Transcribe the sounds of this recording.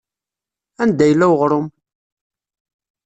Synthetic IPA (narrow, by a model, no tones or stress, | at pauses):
ænd̪æjəlːæwʁɾˤʊm